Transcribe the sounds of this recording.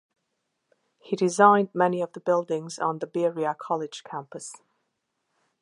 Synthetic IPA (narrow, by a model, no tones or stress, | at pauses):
hidɪzãɪ̃ndmɛniʌvðəbɪlˠdɪ̃ŋzn̩ðəbɪɹiəkʰɒlˠɪd̥ʒ̥kʰæ̃mpəs